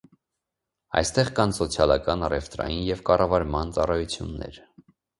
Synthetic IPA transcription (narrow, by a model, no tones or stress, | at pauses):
ɑ̰jst̪ɛʁkɑnsɔt͡sʰjɑlɑkɑnɑrɛft̪ɾɑ̰jinjɛvkɑrɑvɑɾmɑnt͡sɑrɑjut͡sʰjṵnːɛ̰ɾ